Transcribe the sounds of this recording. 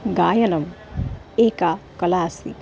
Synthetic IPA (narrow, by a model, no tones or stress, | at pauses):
ɡaːjɐnɐm | eːkakɐlaːsḭ